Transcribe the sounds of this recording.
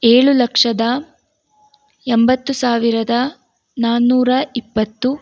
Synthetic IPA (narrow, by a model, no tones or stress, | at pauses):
eːɭulɐkʂɐd̪ɐ | embɐt̪ːusaːʋiɾɐd̪ɐ | naːnːuːɾɐipːɐt̪ːu